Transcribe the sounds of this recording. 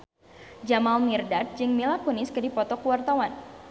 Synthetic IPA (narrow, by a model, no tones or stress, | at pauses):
d͡ʒamalmirdat̪̚d͡ʒɨŋmilakunɪskɨdipɔt̪ɔkuwart̪awan